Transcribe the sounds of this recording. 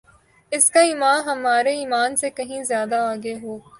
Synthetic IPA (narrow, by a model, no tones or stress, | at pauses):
ɪskaiːmaːnɦɐmaːɾeiːmaːnsekɐɦĩzjaːd̪aaːɡeɦoː